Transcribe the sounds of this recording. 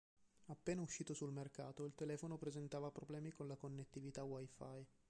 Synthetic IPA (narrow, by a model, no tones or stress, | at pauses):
apːeːnauʃːiːt̪osulmerkaːt̪oilt̪elɛːfonopɾezent̪aːvapɾoblɛːmikonlakonːet̪ːivit̪awajfa̰j